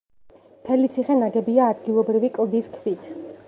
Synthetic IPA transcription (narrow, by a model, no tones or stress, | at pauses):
mt̪ʰɛlit̪sʰiχɛnaɡɛbiaːd̪ɡilˠɔbɾivikʼlˠd̪iskʰvit̪ʰ